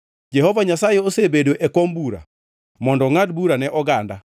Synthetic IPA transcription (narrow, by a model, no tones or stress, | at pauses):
d͡ʒɛhɔvaɲasajeosebedoʔɛkɔmbuɾa̰ | mɔndɔŋadbuɾanɛʔɔɡanda